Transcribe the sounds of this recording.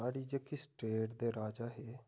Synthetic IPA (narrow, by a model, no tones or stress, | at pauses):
aːɽiːd͡ʒeːkɪsʈeːʈd̪eːɾaːd͡ʒaːɦeː